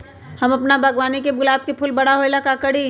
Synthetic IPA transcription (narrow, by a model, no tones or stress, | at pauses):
hɐmɐpnabʱɐɡwaːnikebʊlaːb̚kepʰʊlbɐɽ̤aɦoelakaːkəɽi